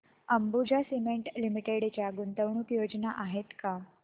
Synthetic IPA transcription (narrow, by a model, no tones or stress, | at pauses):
əmbud͡ʑasimeɳʈlimiʈeɽt͡ɕjaɡunt̪əʋɳ̃uːkjod͡ʑnaʔaɦet̪ka